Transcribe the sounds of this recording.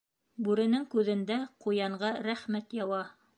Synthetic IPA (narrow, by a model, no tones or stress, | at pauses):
bʉɾɘ̆nɘŋkʉðɘ̆nd̪æqujɑɴɢɑɾæχmæt̪jɑwɑ